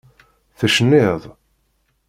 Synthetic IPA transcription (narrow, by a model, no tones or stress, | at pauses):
θəʃənːɪðˤ